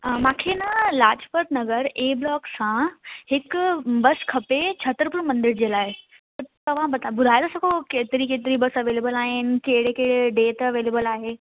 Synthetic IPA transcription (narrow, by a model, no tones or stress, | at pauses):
mãːkʰenɐlaːd͡ʑpəʈ̪nɐɣəɾeːblɔːksãhɪkbɐskʰɐpet͡ɕʰɐt̪ɾpʊɽ̃mɐ̃nd̪ɪɾd͡ʑeːlaːɪ | t̪ɐt̪ɐʋ̤ãbɐt̪abʊd̪ʱaːjlosɐkʰokeːt̪ɪɾikeːt̪̬ɪɾibɐsɐʋeːleːbəlaːɦɪnɪ̆keɦɪɽekeɪɽeɖeːt̪ɐʋeːleːbəlaːɦeː